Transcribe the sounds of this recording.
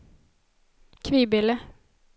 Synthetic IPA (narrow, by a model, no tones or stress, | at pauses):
kʰʋiːbɪlə